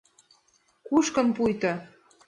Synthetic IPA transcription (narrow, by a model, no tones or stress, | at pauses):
kuʃkɤ̆mpujt̪ɑ